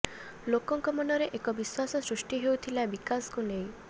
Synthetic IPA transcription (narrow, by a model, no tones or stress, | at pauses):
lokɔŋkɔmɔnɔɾeʔekɔbiswasɔsɾusʈiɦewt̪ʰilabikasɔ̥kunej̃